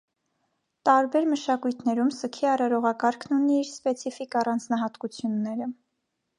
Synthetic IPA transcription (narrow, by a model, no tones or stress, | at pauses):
t̪ɑɾbɛɾməʃɑkujt̪ʰnɛɾumsəkʰiɑrɑɾɔʁɑkɑɾkʰnuniːɾspɛt͡sʰifikɑrɑnd͡znɑɦɑt̪kut͡sʰjunːɛɾə